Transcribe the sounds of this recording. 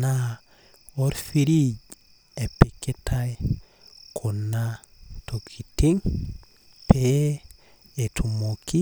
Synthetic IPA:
na | oɾfiɾiɟ | epekːetʰaj | kʰonːa | tokʰitiŋ | pe | etʰumoki

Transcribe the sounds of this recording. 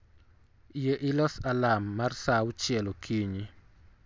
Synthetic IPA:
jeʔɪlɔsalamːarsaʊt͡ʃjɛlokʰiɲi

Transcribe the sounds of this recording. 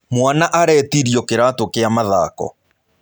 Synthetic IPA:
mwanaʔaɾɛtiɾiɔkeɾatokeamaða̰ːkɔ̰

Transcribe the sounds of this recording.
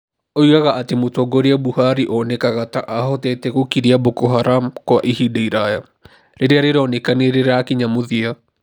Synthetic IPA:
oiɣaɣaʔatemotɔːɡɔɾeabuhaɾiʔɔnɛkaɣataʔaɦɔtɛtɛɣokiɾiabokoɦaɾamkwaʔiɦidaiɾaja | ɾeɾeaɾeɾɔnekaneɾeɾaːkiɲamoðia

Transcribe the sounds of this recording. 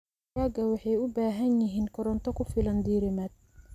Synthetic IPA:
aːɡɐwɑħɑjʊbaːɦɐnjɪɦiːnkʰɔɾɔnt̪ʰɔkʰʊfɪlɐnd̪iːɾɪmɐːd̪̚

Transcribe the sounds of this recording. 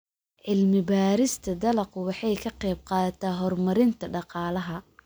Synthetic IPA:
ʕɪlmɪbaːɾɪst̪ʰɐd̪ɐlɐqʊwɑħɑjkʰɐqɛjb̚qɑːðɐt̪ʰaːɦɔrmɐɾɪnt̪ʰɐɖɑqɑːlɐɦɐ

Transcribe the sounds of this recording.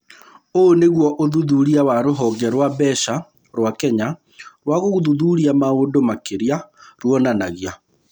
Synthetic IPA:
oneɣwɔʔoðuðuɾiawaɾoɦɔɡɛɾwaβɛʃa | ɾwakɛɲa | ɾwaɣoɣoðuðuɾiamaoːdomakeɾiaɾwɔnanaɣia

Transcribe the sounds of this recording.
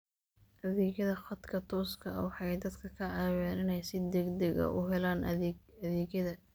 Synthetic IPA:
ʔɐðɛːɣjɐðɐχɐd̪kʰɐt̪ʰɔːskʰɐ̰wɑħɑjd̪ɐd̪kʰɐkʰɐʕɑːwɛːnɪnɛjsɪd̪ɛɡd̪ɛɣɐ̰ʔʊ̰ɦɛlaːnɐðɛːɣjɐðɐ

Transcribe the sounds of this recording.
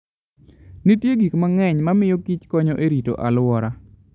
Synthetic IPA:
nitjeɡikmaŋɛɲmamɪjokit͡ʃkɔɲɔʔeɾito̰ʔalwɔɾa

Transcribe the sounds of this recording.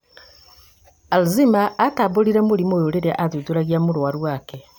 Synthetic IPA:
alzimaːtaβoɾiɾemoɾimojoɾeɾeʔaðuðuɾaɣijamoɾwaɾwakɛ

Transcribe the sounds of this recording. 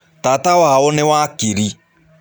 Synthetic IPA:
taːtawaːɔnɪwaːkeɾi

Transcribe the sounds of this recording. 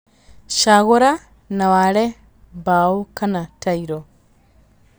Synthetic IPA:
ʃaɣoɾa | nawale | baokanataiɾo

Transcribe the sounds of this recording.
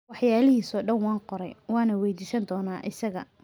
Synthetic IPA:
wɑħjaːlɪhiːsɔːɖɐnwɑːnqɔɾɛ̰jwɑːnɐwɛjd̪iːsɐnd̪ɔːnaːʔɪsɐɣɐ̰

